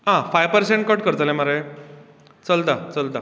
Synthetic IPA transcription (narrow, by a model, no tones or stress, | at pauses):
ɦãfajpəɾseɳʈ̚kɔʈkəɾt̪alẽmaɾaj | t͡səlt̪at͡səlt̪a